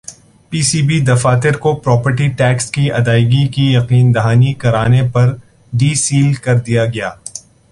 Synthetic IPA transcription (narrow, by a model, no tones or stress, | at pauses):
piːsiːbid̪ɐfaːt̪ɪɾkopɾɔːpəɾʈiʈɛːkskiʔɐd̪aːɪɡikijɐqiːnd̪ɐɦaːnikɐɾaːnepɐɾ | ɖiːsiːlkɐɾd̪ijaɡɐjaː